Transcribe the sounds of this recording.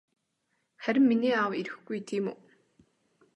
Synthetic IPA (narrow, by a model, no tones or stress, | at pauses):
χæɾʲɪ̆mːiniːawiɾɘ̆xɡujt̪ʰiːmu